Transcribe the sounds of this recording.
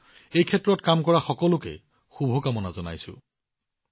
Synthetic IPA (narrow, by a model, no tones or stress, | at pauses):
ejkʰɛtɹɔtkamkɔɹaxɔkɔlʊkɛ̰ | xubʱɔkamɔnazɔna̰jsʊ̰